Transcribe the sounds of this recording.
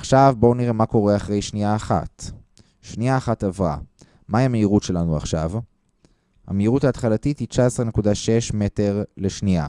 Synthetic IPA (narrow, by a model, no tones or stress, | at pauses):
aχʃavbo̞niʁe̞mako̞ʁe̞aχʁe̞jʃniaːχa̰t | ʃniaːχatavʁa̰ | maiameiʁutʃe̞lanua̰χʃav | ha̰meiʁuthaːt̪χalatithit͡ʃaesʁene̞kudaʃe̞ʃme̞te̞ʁle̞ʃnia̰